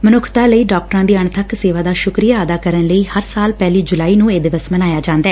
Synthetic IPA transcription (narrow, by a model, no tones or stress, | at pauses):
mənʊkʰt̪aːləiːɖaːk̚ʈəɾãːd̪iːəɳt̪ʰəkseːʋaːd̪aːʃʊkɾijaːəd̪aːkəɾənləiːhəɾsaːlpɛːliːd͡ʒʊlaːiːnũːeːd̪ɪʋəsmənaːjaːd͡ʒãːnd̪aɛː